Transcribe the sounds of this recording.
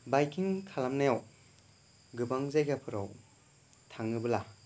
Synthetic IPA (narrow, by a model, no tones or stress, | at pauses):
bajkʰiŋkʰalamnajaw | ɡɯbaŋzajɡapʰɯɾaw | tʰaŋɯbɯla